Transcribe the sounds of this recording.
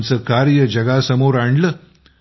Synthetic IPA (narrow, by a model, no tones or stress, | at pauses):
nt͡səkaːɾjɐd͡ʑɐɡaːsɐmoːɾaɳɖlə